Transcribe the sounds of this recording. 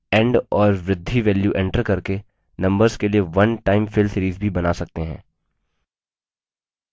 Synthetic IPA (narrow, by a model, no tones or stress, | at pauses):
ɛ̃ɳɖɔːɾʋɾɪd̪ʱːiʋɛːljuʔɛ̃ɳʈəɾkɐɾke | nɐ̃mbəɾzkelieʋɐnʈaːɪmfɪlsɪːɾiːzbʱibɐnasɐk̚t̪eɦɛ̰̃ː